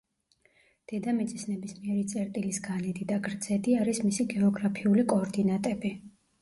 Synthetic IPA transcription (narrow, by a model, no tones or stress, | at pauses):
d̪̥ɛd̪amit̪sʼisnɛbismiɛɾit̪sʼɛɾt̪ʼilisɡanid̪id̪aɡɾd̪z̥ɛd̪iaɾismisiɡɛɔɡɾapʰiulikʼɔɾd̪inat̪ʼɛbi